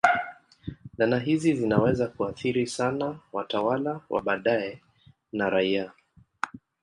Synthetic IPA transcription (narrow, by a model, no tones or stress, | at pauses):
nanaɦizizinawɛzakuaθiɾisanawatawalawʔa̰ɓaɗaɛ | naɾaia